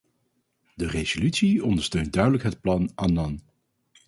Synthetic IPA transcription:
dərez̥olytsiɔndəɹstøɥnt̚dœɥdələkɦət̚plɑnʔanɑn

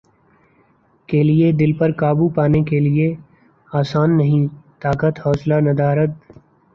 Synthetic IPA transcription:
kelied̪ɪlpɐɾkaːbupaːnekelie | aːsaːnːɐɦĩt̪aːkət̪hɔːslanɐd̪aːɾət̪̚

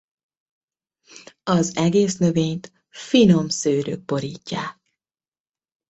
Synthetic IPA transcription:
ɒzɛɡeːsnø̞veːɲt̪ | fino̞msøːɾø̰ːk̚po̞ɾiːcːaːk̚

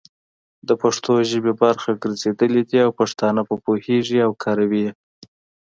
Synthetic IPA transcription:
d̪əpaʂt̪ʰoʒəbebaɾxaɡəɾzed̪əled̪iawpaʂt̪ɑnapəpoheʐiawkʰɑɾawi

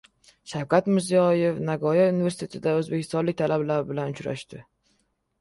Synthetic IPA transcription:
ʃawkʰʲat̪mɪɾzijɒjefnaɡɒjaunivesɪt̪ʰet̪ʰɪd̪aɵzbe̞kʲʰɪ̥st̪ɒnlɪk̚ʲt̪ʰalablaɾɪbɪlanʊt͡ʃɾa̰ʃt̪ɪ

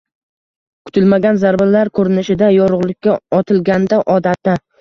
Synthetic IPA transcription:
kʰʊ̥t̪ʰɪlmaɡʲanzaɾbalaɾkʰɵɾɪnɪʃɪd̪ajɒɾʊʁlˠɪkʲʰːaɒt̪ʰɪlɡʲand̪aʔɒd̪at̪ːa

